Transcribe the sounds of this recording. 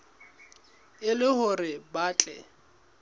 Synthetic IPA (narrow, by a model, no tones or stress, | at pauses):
ɪlɪhʊrɪbaːt͡ɬʼɛ̰